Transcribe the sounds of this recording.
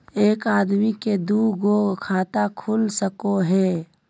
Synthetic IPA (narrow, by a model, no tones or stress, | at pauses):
eːkaːd̪miked̪uɡoɡkʰaːt̪akʰulsəkoɦɛː